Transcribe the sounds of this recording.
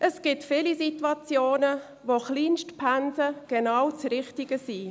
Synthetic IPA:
ʔəsɡ̥ɪtfɪlisitwɑt͡sjoːnə | ʋoχliːnʃtpʰænsəɡ̥enaːwt͡sɾɪχtiɡ̥əsi

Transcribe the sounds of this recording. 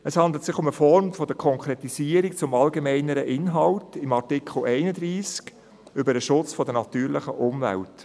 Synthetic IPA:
ɛshɑnd̪lət̪sɪχʊməfɔɾmfɔd̥̪əkʰɔŋkɾetisiəɾik̚t͡sʊmɑlɡemɛɪnəɾəʔɪnɦɑltɪmɑrtɪkχl̩ʔɛɪnəd̪ɾiːsk | ʏbəɾəʃʊt͡sfɔdənɑtyːɾlɪχəʔʊmvæ̰lt

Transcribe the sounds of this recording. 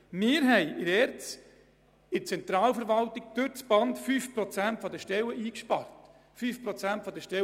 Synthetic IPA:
mɪːɾɦɛjʔɪɾɛːɾt͡s | ɪt͡sɛnt̪ɾɑːlfəɾʋɑlt̪ɪɡ̚d̥̪øɾt͡sb̥ɑnt̪fyːfpɾɔt͡sæntfɔd̪əʃtɛwəʔiːkʃpɑrt̪ | fyːfpɾɔt͡sæntfɔd̪əʃtɛ

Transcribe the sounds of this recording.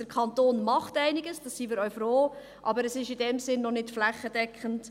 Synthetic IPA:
d̥əɾkʰɑntoːnmɑχtæɪnɪɡəsd̥ɑsiːmɪːɾœʏfɾoː | ʔɑbəɾɛsɪʃɪdɛmsɪnːɔnɪtflæχːədɛkχənt

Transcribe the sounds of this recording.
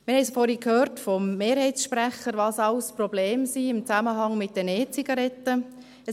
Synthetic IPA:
mɪɾhɛɪsfɔɾikhøːɾtfɔmːeːɾhɛɪt͡sʃpɾæχəɾʋɑːsɑʊsprɔbleːmsiːɪmt͡sæməɦɑŋmɪt̚d̥əneːt͡siɡ̥ɑɾɛtːə | ɛ

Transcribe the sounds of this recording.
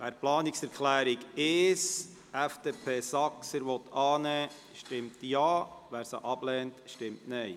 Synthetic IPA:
ʋæːɾplɑːnɪksɛɾkʰlæːɾɪɡɪʃ | ɛfd̥eːpʰeːsɑksəɾʋɔt̪ʰɑːnɛː | ʃtɪmtjɑːʋæːɾsa̰ʔɑb̥lɛːntʃtɪmtnɛɪ

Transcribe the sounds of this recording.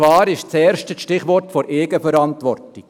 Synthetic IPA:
ʋɑːɾɪʃt͡seːɾʃtəʃtɪχʋɔɾtfoɾʔeːɡəfɛɾɑntʋɔrtɪk

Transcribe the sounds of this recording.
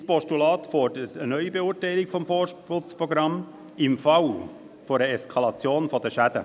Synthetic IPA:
spɔʃtulɑːtfɔɾd̥əɾətənœʏibeuːrtɛɪlɪkfɔmfɔːɾʃpʊt͡spʁɔɡɾɑm | ɪmfɑw | foɾəɛskʰɑlɑt͡sjoːnfɔd̥̪əʃæd̥̪ə̰

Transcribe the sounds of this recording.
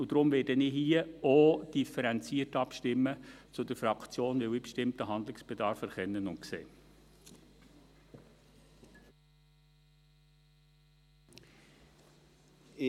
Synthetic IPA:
ud̥ɾʊmvɛːdənɪɦiəod̥ifəɾɛnt͡siːətɑpʃtɪmːət͡sʊdəɾfɾɑkt͡sjoːnʋɪwibʃtɪmtəɦɑnd̪lɪksb̥edɑɾfɛɾχɛnːənʊntksḛː

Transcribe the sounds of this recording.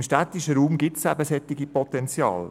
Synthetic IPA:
mʃtæt̪ɪʃəɾuːmɡɪtsæbəsɛt̪ːɪɡipɔt̪ɛnt͡sjɑ̰ːl

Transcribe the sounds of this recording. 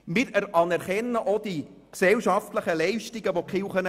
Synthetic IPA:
mɪːɾɛɾɑnɛɾχɛnːəʔod̪̥i | ksɛlʃɑft̪ləχəlɛɪʃtɪɡəʋokχɪwχən

